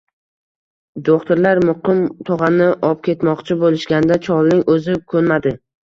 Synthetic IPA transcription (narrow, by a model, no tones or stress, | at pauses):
d̪oχt̪ʊɾlaɾmʊqɨmt̪ʰʊʁɑnɪʔɒp̚kʲʰe̞t̪mɒqt͡ʃʰɪbolɪʃɡʲand̪at͡ʃʰɒlˠnɪŋɵzɪkʰɵnmad̪ɪ